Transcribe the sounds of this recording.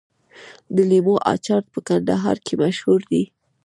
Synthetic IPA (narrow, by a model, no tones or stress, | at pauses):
d̪əlimoʔɑ̰t͡ʃɑɾt̪̚pəkand̪aɦɑ̰ɾkʰemaʃhuɾd̪i